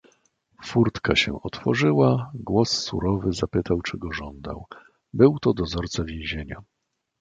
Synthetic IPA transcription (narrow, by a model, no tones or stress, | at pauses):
fuɾt̪kaɕɛ̰ɔt̪fɔʐɘwaɡwɔsːṵɾɔvɘzapɘt̪awt͡ʂɘɡɔʐɔnd̪a̰w | bɘwt̪ɔd̪ɔzɔɾt̪savʲjẽw̃ʑeɲa